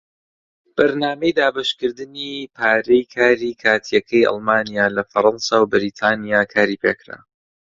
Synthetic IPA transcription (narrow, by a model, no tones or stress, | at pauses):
b̥ɐɾnaːmejd̪aːbɐʃkɨɾd̪ɨniːpʰaːɾejkʰaːɾiːkʰaːt̪ʰijɐkʰɛjʔɑ̰lˠmaːnijaːlɐfɐɾˤɑnsawbɪɾiːt̪ʰaːnijaːkʰaːɾiːpʰeːkɾa̰